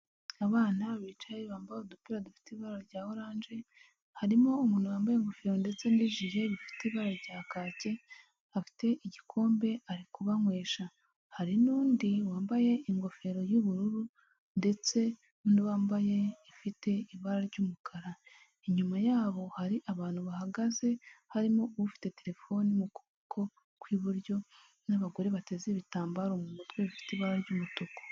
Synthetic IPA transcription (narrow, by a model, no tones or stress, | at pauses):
aβaːnaβiːt͡ʃajeβaːmbajodupiɾadufi̥teβaɾaɾɟaːhoɾaːnʒe̞ | haɾimoːmuːn̥huwaːmbajeŋɡo̞fe̞ɾo̞nde̞t͡se̞niʒije̞βifi̥teβaɾaɟaːkaːce̞ | hafi̥te̞ʔiɟikʰo̞ːmbe̞aɾikuβaŋweːʃa | haɾinuːndiwaːmbaje̞iŋɡo̞fe̞ɾo̞juβuɾuɾu | nde̞t͡se̞ | nuːndiβaːmbaje̞ifite̞iβaɾaɾɟuːmukʰaɾa | iɲumajaːβo̞haɾiʔaβaːn̥huβahaɡaze̞haɾimoβufi̥te̞te̞ɾe̞fo̞nimukuβokʰo̞ | kwiːβuɾjo̞ | naβaɡo̞ɾeβate̞zeβitaːmbaɾomumutɡweβufi̥teβaɾaɾɟuːmutoko̥